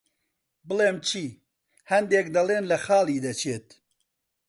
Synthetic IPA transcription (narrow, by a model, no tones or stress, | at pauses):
bɨlˠeːmt͡ʃʰiː | hɐnd̪eːk̚d̪ɐlˠeːnlɐxɑːlˠiːd̪ɐt͡ʃʰeːt̪̚